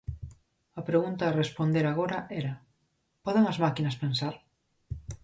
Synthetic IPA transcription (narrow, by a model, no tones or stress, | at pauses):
ɐpɾeɣunt̪arespond̪eɾaɣ̞oɾaʔɛɾa | pɔðeŋɐzmakinɐspensaɾ